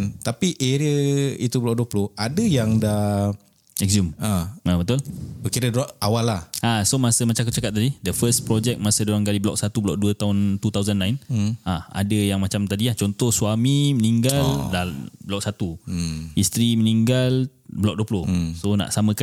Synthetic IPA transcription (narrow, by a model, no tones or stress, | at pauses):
nt̪apiʔeɾiəit̪ublɔk̚duəplʊhadəjaŋdah | ɛkzumaabət̪ʊlbəkiɾədɾaʔawalːahasomasəmat͡ʃakut͡ʃakat̪̚ːadidəfəspɾɔd͡ʒɛk̚masədoɾaŋɡaliblɔ̰k̚sat̪ubəlɔk̚duət̪aʊnt̪ut̪awzanːãɪnãa̰dəjaŋmãt͡ʃamt̪adilaht͡ʃɔnt̪ɔhswamiməniŋɡaldabəlɔk̚sat̪uist̪ɾimə̃niŋɡal | bəlɔk̚duəplʊhsonã̰ʔsamə̃ka